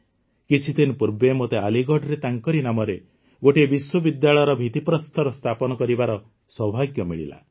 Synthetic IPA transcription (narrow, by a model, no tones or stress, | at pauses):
kit͡ʃʰit̪inpuɾbemot̪ealiɡɔɖɔɾet̪aŋkɔɾinamɔɾe | ɡoʈebiswɔbid̪jaɭɔjɔɾɔbʱit̪ipɾɔst̪ʰɔɾɔst̪ʰapɔnɔkɔɾibaɾɔ | swɔbʱaɡjɔmiɭḭla̰